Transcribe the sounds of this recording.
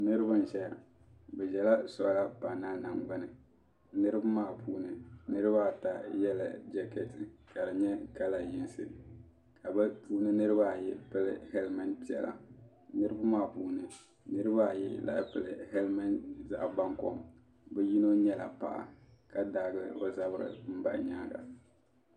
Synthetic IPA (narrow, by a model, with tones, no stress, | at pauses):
nɨ˦ɾɨ˦ba˦n˨ʃɛ˦˨ | bɛ˨ʒɛ˨la˦sɔ˨ʔla˦pa˨na˦na˨ŋɡ͡ba˦nɨ˨ | nɨ˦ɾɨ˦ba˦maː˦˨pʰuː˦nɨ˨nɨ˦ɾɨ˦ba˦˨ta˨jɛ˦la̰˨d͡ʒɛ˦kɛ˦tɨ˨ka˨dɨ˨ɲɛ˦ka˦la˨jɪ˨nsɨ̰˨ | ka˨bɨ˦puː˦nɨ˦nɨ˦ɾɨ˦ba˦˨jɪ˦pɨ˦lɨ˦hɛ˦lma˦npi˦ɛ̰˨lʔa̰˨ | nɨ˦ɾɨ˦ba˦maː˦puː˦nɨ˨ | nɨ˦ɾɨ˦ba˦˨jɪ˦la̰˨ʔpɨ˨lɨ̰˨hɛ˦lma˦nza˨ʔba˦ŋkɔ̰˦m | bɛ˦ji˦no˦ɲɛ˦la̰˨pa̰˦˨ʔa̰˨ka˨da˦ɡɨ˦lɨ˦o˦za˦bɨ˦ɾɨ̰˨m̩˦ba̰˨ɲaː˦ɡa̰˨